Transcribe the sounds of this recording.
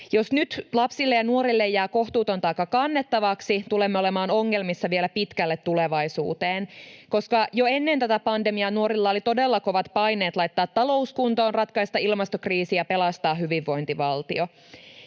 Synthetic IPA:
jo̞snyt̪lɑpsilːejɑnuo̞ɾilːejːæːko̞ht̪uːt̪o̞nt̪ɑikːɑkɑnːet̪ːɑʋɑksit̪ulemːeo̞lemɑːno̞ŋːe̞lmisːɑʋielæpit̪kælːet̪ːuleʋɑjsṵːt̪eːnko̞skɑjoe̞nːent̪æt̪æpɑndemiɑnuo̞ɾilːɑolit̪o̞delːɑko̞ʋɑt̪pɑjne̞ːt̪lɑjt̪ːɑːt̪ːɑlo̞uskunt̪oːnrɑt̪kɑist̪ɑilmɑst̪okriːsijɑpe̞lɑst̪ɑːɦyʋiʋːo̞jnt̪iʋɑlt̪ḭo̞

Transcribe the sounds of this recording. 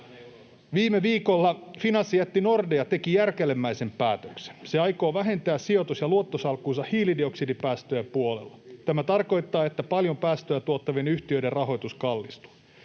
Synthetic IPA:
ʋiːmeʋiːkolːɑfinɑsːijæt̪ːino̞rdejɑt̪e̞kijærkelemːæise̞mpæːt̪økse̥nseɑjko̞ːʋæɦe̞nt̪æːssio̞t̪usjɑluot̪ːosɑlkuːsɑhiːlidio̞ksidipæːst̪øjæpuolḛlːɑt̪æmæt̪ɑrko̞jt̪ːɑːe̞t̪ːæpɑljo̞mpæːst̪øjæt̪uot̪ːɑʋenyht̪iø̞iderrɑɦo̞jt̪uskɑlːist̪u̥

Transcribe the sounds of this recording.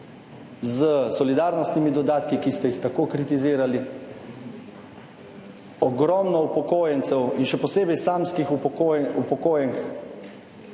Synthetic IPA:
zəsɔlid̪aːɾnɔst̪nimid̪ɔd̪aːt̪kikist̪ɛjixt̪akoːkɾit̪iziːɾali | ɔɡɾɔmnɔupɔkoːjɛnt̪sɛwinʃɛpɔseːbɛjsamskixuupɔkoːjɛŋk

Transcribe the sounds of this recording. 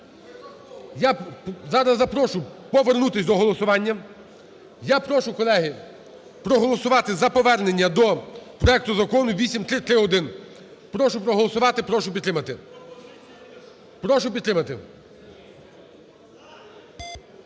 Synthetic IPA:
jazɑɾɐzːɐpɾɔʃʊpɔʋernut̪ɪsʲd̪ɔɦɔlˠɔsʊʋɑnʲːɐ | japɾɔʃʊkɔlˠɛɦɪ | pɾɔɦɔlˠɔsʊʋɑt̪ɪzɐpɔʋɛrne̞nʲːɐd̪ɔpɾɔɛk̚t̪ʊzɐkɔnʊʋʲisʲimt̪ɾɪt̪ɾɪɔd̪ɪn | pɾɔʃʊpɾɔɦɔlˠɔsʊʋɑt̪ɪpɾɔʃʊpʲd̪ɾɪmɐt̪ɪ | pɾɔʃʊpʲid̪t̪ɾɪmɐt̪ɪ

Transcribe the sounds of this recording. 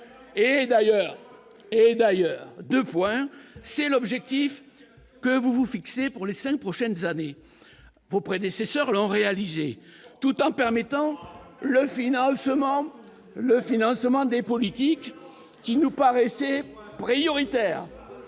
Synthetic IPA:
ed̪ajœʁ | ed̪ajœʁd̪øpwɛ̃sɛlɔbʒɛk̚t̪if | kəvuvufiksepuʁlesɛ̃k̚pχɔʃɛnzane | vopχed̪esesœʁlɔ̃ʁealizet̪ut̪ɑ̃pɛʁmet̪ɑ̃ləfinɑ̃səmɑ̃ | ləfinɑ̃smɑ̃d̪epɔlit̪ikː | inupaʁɛsɛpχijɔʁit̪ɛːʁ

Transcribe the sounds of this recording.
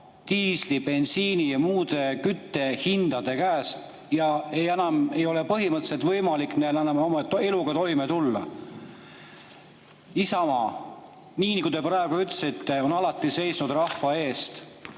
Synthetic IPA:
t̪iːslipe̞nsiːnijɑmuːd̪e̞kyt̪ːe̞hind̪̥ɑd̪̥e̞kæːst̪ | jɑe̞jenɑme̞jo̞lepɤɦimɤt̪ːˑse̞t̪vɤjmɑlikːnelænɑmomɑt̪e̞luɡ̥ɑt̪o̞jmet̪ulːɑ̰ | isɑmɑ | niːnikut̪eprɑeɡ̥uyt̪ːsit̪ːe̞o̞nɑlɑt̪ːˑise̞jsnud̪rɑhvɑe̞ːst̪

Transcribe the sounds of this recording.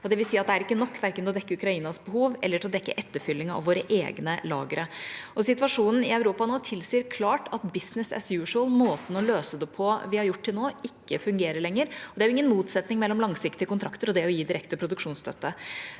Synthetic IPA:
ɔd̪ɛʋɪlsiːɑt̪̚d̪ɛæɾɪkːənɔkːʋæɾkənt̪lɔd̪ɛkːəʉkɾɑiːnɑsbəɦuːʋɛ̰lːəʈʰɪlɔd̪ɛkːə̰ʔɛt̪ːəfʏlːɪŋɑɑ̰ʋoːɾəʔḛːɡnəlɑ̰ːɡəɾəɔsɪt̪ʋɑʂuːnn̩ɪɑʉɾuːpɑnoːt̪ʰɪlsiːəɾkʰlɑːʈɑt̪bɪsnɪsɛ̰sjʉːʂəlmoːt̪n̩ɔløːsəd̪ɛpʰɔʋɪhɑɾjʊʈːt̪ːɪlnoːɪkːəfʉŋɡeːɾəɭɛŋːəɾɔd̪ɛæɾjʊɪŋːənmuːt̪sɛt̪nɪŋmɛlːɔmlɑŋsɪkt̪ɪəkʊnt̪ʰɾɑkt̪əɾɔd̪ɛɾɔjiːd̪ɪɾɛkt̪əpʰɾʊd̪ʉkʂuːnst̪œ̰t̪ːə

